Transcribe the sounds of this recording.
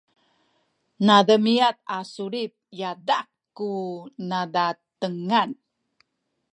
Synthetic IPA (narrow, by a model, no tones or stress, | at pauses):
nadəmiat̪asuɾip̚jadakː | unadat̪əŋan